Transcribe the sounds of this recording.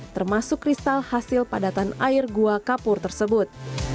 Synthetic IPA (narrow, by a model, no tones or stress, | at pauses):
t̪ərmasʊkːrist̪alhasɪlpadat̪anairɡuakapʊrt̪ərsəbʊt̪̚